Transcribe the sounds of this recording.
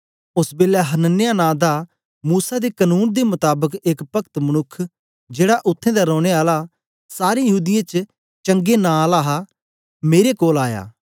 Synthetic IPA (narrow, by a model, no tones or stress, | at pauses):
ʊsbeːlaɦɐnənɪjanãːd̪a | muːsad̪ekənuːnd̪emʊt̪aːbəkekpɐkt̪mɐñʊkʰː | d͡ʒeːɽaʔʊt̪ʰːẽd̪aɾɔ̃ːɽ̃eaːla | saːɾejəɦuːd̪ɪjãt͡ʃ | t͡ʃɐ̃ŋɡenãːlaːɦa | meːɾekoːlaːja̰ː